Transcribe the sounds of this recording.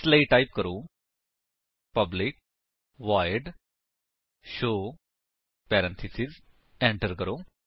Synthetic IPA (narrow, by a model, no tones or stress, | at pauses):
sleiʈaip̚kəɾo | pəblɪk̚ | ʋaɪɾɖ | ʃoː | pɛɾə̃nt̪ʰisiz | ẽɳʈəɾkəɾoː